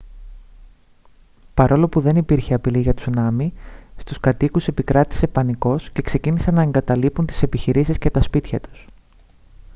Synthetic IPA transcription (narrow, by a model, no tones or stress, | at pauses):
pɐɾo̞lo̞puðe̞nipiɾçeɐpiliʝɐt̪u̥znɐmist̪uskɐt̪ikuse̞pikɾɐt̪i̥se̞pɐniko̞sce̞kse̞cinisɐnɐe̞ŋɡɐt̪ɐlipunt̪i̥se̞piçiɾisiscet̪ɐspit̪çɐt̪u̥s